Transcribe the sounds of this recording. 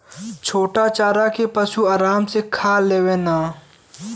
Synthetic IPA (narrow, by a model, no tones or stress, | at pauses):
t͡ʃʰoːʈat͡ʃaːɾakepəʃuaːɾaːmsekʰaːleːwẽːnaː